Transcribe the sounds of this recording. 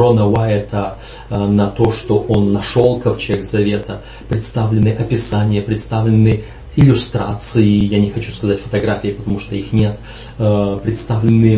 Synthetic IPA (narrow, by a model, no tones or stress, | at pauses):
onəvaɛt̪ʰə | nɐt̪o̞ʂt̪oʔonːɐʂolˠkəft͡ɕeɡzɐvʲet̪ə | pɾʲɪt̪st̪avlʲɪnːɨʔɐpʲɪsanʲɪjəpɾʲɪt̪st̪avlʲɪnːɨ | ɪlʲʊst̪ɾa̰t̪sɨɪjanʲɪxɐt͡ɕu̥skɐzatʲfə̥t̪ɐɡɾafʲɪɪpə̥t̪ɐmuʂt̪oixnʲe̞t̪ | pɾʲɪt̪st̪avlʲɪnːɨ